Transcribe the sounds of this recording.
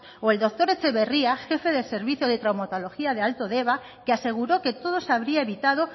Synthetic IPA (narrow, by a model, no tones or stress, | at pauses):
oeld̪ok̚t̪oɾet͡ʃeβeriaʃefeðelseɾβiθjoð̞et̪ɾawmat̪oloxiaðealt̪oðeβa | keaseɣ̞uɾoket̪oðosaβɾiaeβit̪að̞o